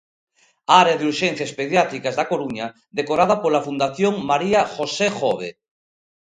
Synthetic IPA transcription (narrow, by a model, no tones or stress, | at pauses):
aɾeðuɾʃen̟θjaespeðjat̪ɾikazðakoɾuɲa | ðekoɾað̞apolafund̪aθjoŋmaɾiaxosexɔβ̞ḛ